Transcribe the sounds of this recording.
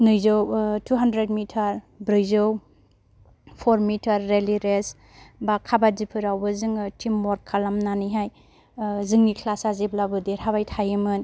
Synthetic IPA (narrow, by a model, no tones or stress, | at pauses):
nɯjzowtuɦandɾed̚mitʰaɾ | bɾɯjzɯw | pʰɔɾmitʰaɾːeliɾes | bakʰabazipʰɯɾawbɯzɯŋtʰimːɔɾkʰalamnanɯjɦaj | zɯŋnikʰlasaziblabɯdiɾhaβajtʰajɯmɯn